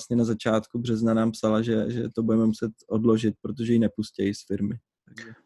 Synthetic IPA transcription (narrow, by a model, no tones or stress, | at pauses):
asɲɛnazat͡ʃaːt̪kubr̝ɛznanaːmpsalaʒɛʒɛ̰t̪obudɛmɛmusɛt̪ʔo̞dlo̞ʒɪt̪̚pɾot̪̬o̞ʒɛjinɛpuscɛjisfɪɾmɪ | aɡɛ